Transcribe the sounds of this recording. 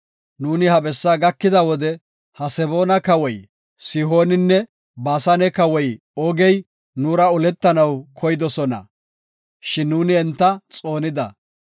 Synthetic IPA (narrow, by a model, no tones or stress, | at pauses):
nuːnɪhɐbɛsːaːɡɐkːɪd̪ɐwɔd̪ɛ | hɐsɛbo̞ːnɐkɐwɔj | sɪɦo̞ːnɪnːɛ | baːsɐnɛkɐwɔj | ɔɡɛj | nuːɾɐʊlɛt̪ːɐnɐwkʰɔjd̪ɔsɔnɐ̰ | ʃɪnːuːnɪɛnt̪ːɐt͡sʼo̞ːnɪd̪ɐ̰